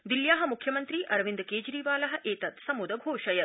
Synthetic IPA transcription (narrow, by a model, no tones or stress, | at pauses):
d̪iljaːɦɐ̆mukʰjɐmɐnt̪ɾiʔɐɾʋind̪keːd͡ʒɾiːʋaːlɐɦɐ̆ʔeːt̪ɐt̪sɐmud̪ɐɡʱoːʃɐjɐ